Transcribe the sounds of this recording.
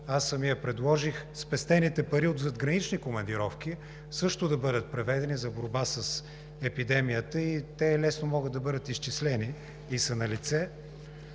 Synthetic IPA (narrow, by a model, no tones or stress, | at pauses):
asːɐmijəpɾɛd̪lˠɔʒixspɛst̪ɛnit̪ɛpɐɾiod̪zɐd̪ɡɾɐnit͡ʃnikomɐnd̪iɾɔfk̟ʲi | sɤʃt̪ʊd̪ɐbɤd̪ət̪̚pɾɛvɛd̪ɛnizɐboɾbasəs | ɛpid̪ɛmijət̪əit̪ɛlɛsnomɔɡəd̪ɐbɤd̪ət̪ist͡ʃislɛniː | sɐnɐlit̪sɛ